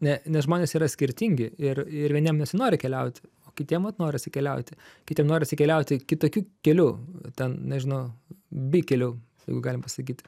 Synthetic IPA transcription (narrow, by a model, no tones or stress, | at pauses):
nʲɛnʲɛsʒmoːnʲeːsiːɾɐsʲkʲɪɾʲt̪ʲiŋʲɡʲɪɪrɪɾʋʲiɛnʲiɛmnʲɛsʲɪnoːɾʲɪkʲɛlʲɛʊt̪ʲɪ̥oːkʲɪt̪ʲiɛmʋɐt̪noːɾʲɪɐt̪ʲsʲɪkʲɛlʲɛʊt̪ʲɪkʲɪt̪ʲiɛmnoːɾʲɪɐt̪ʲsʲɪkʲɛlʲɛʊt̪ʲɪkʲɪt̪oːkʲuːkʲɛlʲuːt̪ʲɛnnʲɛʒʲɪnɐʊbʲiːkʲɛlʲuː | jɛɪɡʊɡɑːlʲɪmpɐsɐkʲiːt̪